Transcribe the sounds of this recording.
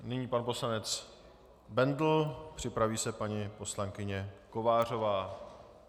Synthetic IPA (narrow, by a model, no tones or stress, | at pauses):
nɪɲiːpanpo̞slanɛt͡s | bɛnd̪l̩pr̝̥ɪpɾaviːsɛpaɲipo̞slaŋkɪɲɛko̞vaːr̝o̞vaː